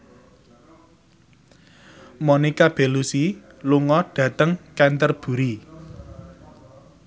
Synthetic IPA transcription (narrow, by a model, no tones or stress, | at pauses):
mɔnikab̥e̤lusi | luŋɔɖ̥ä̤t̪əŋkɛnt̪ərb̥ṳɾi